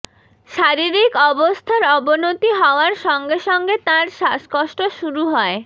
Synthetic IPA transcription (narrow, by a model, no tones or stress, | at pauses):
ʃaɾiɾikɔbost̪ʰaɾɔbonot̪iɦɔoaɾʃɔŋɡeʃɔŋɡet̪ãɾʃaskoʃʈoʃuɾuɦɔe